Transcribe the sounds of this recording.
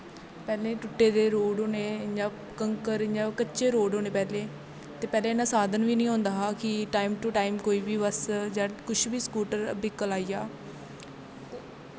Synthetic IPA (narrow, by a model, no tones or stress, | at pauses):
pɛːlẽːʈʊʈːeːd̪eːɾoːɖɦoːneːd͡ʒaː | kəŋkəɾd͡ʒaːkətːʃeːɾoːɖɦoːneːpɛːleː | t̪eːpɛːlẽːnaːsaːd̪ənʋiːnĩːɦõːnd̪aːɦaːkɪʈaːɪmʈuːʈaːɪmkoːiːʋiːʋəsd͡ʒaːkʊt͡ʃʰʋiːskuːʈəɾbiːkəlaːijaː